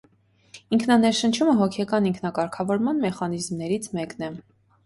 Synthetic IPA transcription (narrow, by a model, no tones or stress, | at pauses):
iŋkʰnɑnɛɾʃənt͡ʃʰuməɦɔkʰɛkɑniŋkʰnɑkɑɾkʰɑvɔɾmɑnmɛχɑnizmnɛɾit͡sʰmɛknɛ